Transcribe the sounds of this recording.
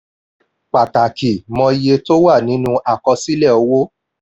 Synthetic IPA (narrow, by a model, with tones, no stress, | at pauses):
k͡pa˨ta˨ki˨mɔ̃˧je˧to˦wa˦˨nĩ˨˦nũ˦ʔa˨kɔ˧si˦lɛ˦˨o˨˧˦wo˦